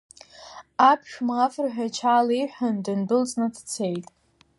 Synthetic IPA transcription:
apʰʃmafrħᶣat͡ʃʰaliħʷᶣandɨndɨlt͡sʼnɨdʰt͡sʰejtʼ

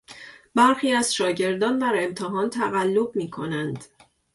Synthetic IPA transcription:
bæɾxiːæz̥ʃɒːɟe̞ɾd̪ɒːnd̪æɾe̞mt̪ʰeɦɒːnt̪ʰæɣælːo̞b̚miːkʰo̞nænd̪̥

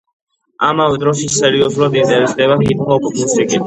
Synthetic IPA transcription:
amavɛd̪ɾɔsisɛɾiɔzulˠad̪id̪ɛvt̪sʰd̪ɛβahit̪̚ʰmɔkukʰnisɾiki

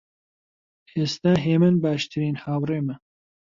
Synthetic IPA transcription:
eːst̪aːɦeːmɨnbaːʃt̪ʰɨɾiːnhaːwreːmɛ

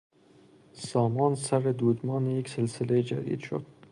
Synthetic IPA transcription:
sɒːmɒːnsæɾed̪uːd̪mɒːnejekselsɪled͡ʒæ̰ɾḭd̪ʃo̰d̪̥

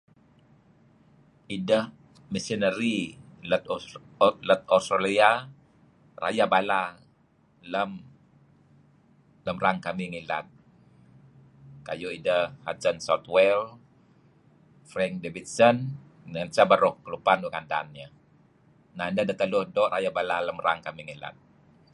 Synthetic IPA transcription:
idəh | misənəɾilət̪ | lət̪̚ɔst̪ɾalia | rʔa̰jabala | ləm | ləmraŋkamiŋila̰t̪̚ | ka̰juidəhat͡ʃənsaut̪wɛl | fɾɛŋk̚debit̪̚sən | dŋənt͡ʃabaɾɔhkəlupanukanda̰nɲa | naəndadat̪əlʊdɔʔɾʔajabalaləmraŋkamiŋila̰t̪̚

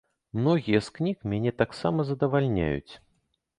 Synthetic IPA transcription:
mnɔɣʲijɐsknʲikmʲanʲɛt̪aksamɐzɐd̪ɐvalʲnʲa̰jṵt͡sʲ

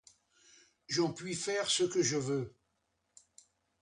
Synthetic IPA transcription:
ʒɑ̃pɥifɛʁsəkəʒəvø

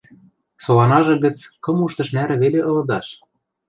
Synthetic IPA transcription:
solɑnɑʒɤ̆ɣɤ̆t͡skɤ̆muʃt̪ɤ̆ʃnæɾɘ̆βeleʔɤ̆lɤ̆d̪ɑʃ

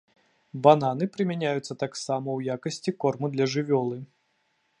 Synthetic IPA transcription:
bananɨpɾɨmʲanʲajut̪sːɐt̪aksamɐwjakɐsʲt͡sʲikɔrmud̪lʲɐʐɨvʲɔlˠɨ

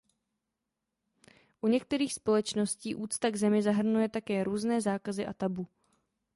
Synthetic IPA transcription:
ʔuɲɛkt̪ɛɾiːxspo̞lɛt͡ʃno̞sciːʔuːt͡st̪aɡzɛmɪzaɦr̩nujɛt̪akɛːɾuːznɛːzaːkazɪʔat̪abu

